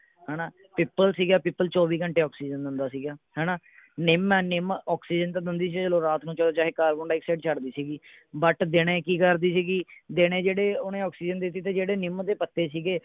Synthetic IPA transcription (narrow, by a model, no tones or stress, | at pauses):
ɦɛːnaː | pɪːpəlsiːɡaːpiːpːəlt͡ʃɔːʋiːkəɳʈeːɔːksiːd͡ʒənd̪ɪnd̪aːsiːɡaːhɛːnaː | nɪmɛːnɪmɔːksiːd͡ʒənt̪ãd̪ɪnd̪iːsiːd͡ʒəlõːɾaːt̪nũːt͡ʃəloːt͡ʃaːɦeːkaːlkʊːɳɖaːɪksɛːʈ̚t͡ʃəɽd̪iːsiːɡiː | bəʈd̪eːɽ̃eːkiːkəɾd̪iːsiːɡiːd̪eːɽ̃ẽːd͡ʒeːɽeːʊnẽːɔːksiːd͡ʒənd̪ɪt̪ːiːt̪eːd͡ʒeːɽeːnɪmd̪eːpət̪ːeːsiːɡeː